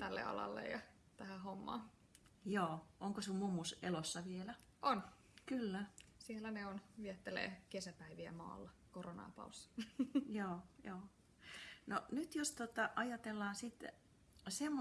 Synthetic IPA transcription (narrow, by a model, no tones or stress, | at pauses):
t̪ælːḛɑ̰lɑ̰lːḛjjɑ | t̪æhæhomːɑ̰ː | joːʔoŋkosummumːusḛlosːɑʋielæ | ʔon | kylːæsielːæneonʋiɛt̪ːelḛːkesæpæiʋiæ̰mɑ̰ːlːɑkoronɑ̰ːpɑ̰usːɑ̥joːjoː | nonyt̪jost̪ot̪ɑʔɑjɑt̪elːɑːnsit̪ | semːo